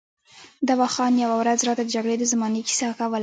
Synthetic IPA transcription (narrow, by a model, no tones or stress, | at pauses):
d̪awaxɑnjawawɾazɾɑt̪ad̪əd͡ʒaɡɽed̪əzamɑniki̥sɑkawəl